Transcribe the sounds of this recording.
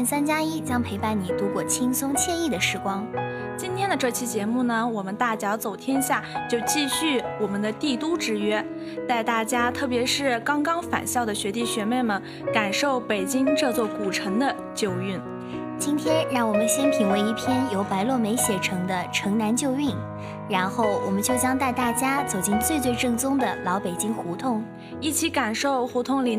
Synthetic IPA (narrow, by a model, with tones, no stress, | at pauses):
i˥˩nsa˥nt͡ɕja˥i˥t͡ɕjɑ˥ŋpʰe˧˥ɪpa˥˩nni˨˩t̪u˧˥kwɔ˥˩t͡ɕʰi˥ŋsʊ˥ŋt͡ɕʰjɛ˥˧i˥˩d̪ə˩ʂɻ̩˥˧kwɑ˥ŋ | t͡ɕi˥nt̪ʰjɛ˥nd̪ə˨ʈ͡ʂɤ˥˧t͡ɕʰi˥t͡ɕjɛ˧˥mu˥˩nə˩wɔ˨˩mə˦nt̪a˥˩t͡ɕjɑ˧˥ʊt͡so˨˩ʊt̪ʰjɛ˥nɕja˥˩t͡ɕjo˥˧ʊt͡ɕi˥˧ɕy˥˩wɔ˨˩mə˦nd̪ə˧t̪i˥˩t̪u˥ʈ͡ʂɻ̩˧˥ɥɛ˥ | t͡sa˥˧ɪt̪a˥˩t͡ɕja˥t̪ʰɤ˥˩p̬jɛ˧˥ʂɻ̩˥˩kɑ˥ŋkɑ˥ŋfa̰˨˩nɕjɑ˥˩ʊd̪ə˩ɕɥɛ˧˥t̪i˥˩ɕɥɛ˧˥me˥˩ɪmə˩n | ka˨˩nʂo˥˩ʊpe˨˩ɪt͡ɕi˥ŋʈ͡ʂɤ˥˧t͡swɔ˥˩ku˨˩ʈ͡ʂʰɤ˧˥ŋd̪ə˧ | t͡ɕjo˥˧ʊy˥˩n | t͡ɕi˥nt̪ʰjɛ˥nɻɑ˥˩ŋwɔ˨˩mə˦nɕi˥npʰi˧˥ŋwe˧˥ɪi˥˩pʰjɛ˥njo˧˥ʊpa˧˥ɪlwɔ˥˩me˧˥ɪɕjɛ˨˩ʈ͡ʂʰɤ˧˥ŋd̪ə˧ʈ͡ʂʰɤ˧˥ŋna˧˥nt͡ɕjo˥˧ʊy˥˩n | ɻa˧˥nxo˥˩ʊwɔ˨˩mə˦nt͡ɕjo˥˩ʊt͡ɕjɑ˥ŋt̪a˥˧ɪt̪a˥˩t͡ɕja˥t͡so˨˩ʊt͡ɕi˥˧ŋt͡swe˥˧ɪt͡swe˥˧ɪʈ͡ʂɤ˥˩ŋt͡sʊ˥ŋd̪ə˨lɑ˧˥ʊpe˨˩ɪt͡ɕi˥ŋxu˧˥t̪ʰʊ˥˩ŋ | i˥˩t͡ɕʰi˧˥ka˨˩nʂo˥˩ʊxu˧˥t̪ʰʊ˥˩ŋli˨˩